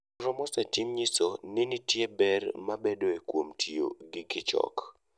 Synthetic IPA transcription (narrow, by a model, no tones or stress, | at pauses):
ɾɔmɔsatimɲisonɪnitjebɛrmabedoekwomtʰijo̰ɡɪkɪt͡ʃɔ̰k